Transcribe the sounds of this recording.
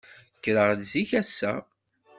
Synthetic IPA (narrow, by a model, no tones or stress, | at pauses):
kːɾəʁdziçæsːæ̰